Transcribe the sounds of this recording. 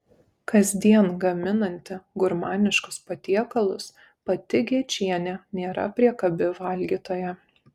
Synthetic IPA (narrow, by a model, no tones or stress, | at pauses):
kɐzʲd̪ʲiɛnɡɐmʲɪnɐnʲt̪ʲɪɡʊɾmɑːnʲɪʃkʊspɐt̪ʲiɛkɐlˠʊs | pɐt̪ʲɪɡʲit͡ʃʲiɛnʲɛnʲeːɾɐ̰pʲɾʲiɛkɐbʲɪʋɐlʲɡʲiːt̪oːjɛ